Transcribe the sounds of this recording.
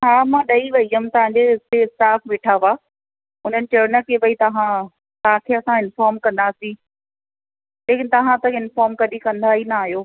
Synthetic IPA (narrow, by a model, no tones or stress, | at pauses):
ɦaːmãːɗɐiʋɐiɦəmt̪ɐʋ̤ãɲd͡ʑeɪt̪eɪsʈaːfʰʋeːʈʰaʋaː | ʊn̤ənɪ̆t͡ɕɐʊnəkeʋɐit̪ɐɦã | t̪ɐʋ̤ãkʰeɐsãɪnfaːɾmkɐ̃nd̪asĩ | leːkɪnɪ̆t̪ɐʋ̤ãt̪ɐɪnfaːɾmkɐɗikɐ̃nd̪ʱainaaːɦijoː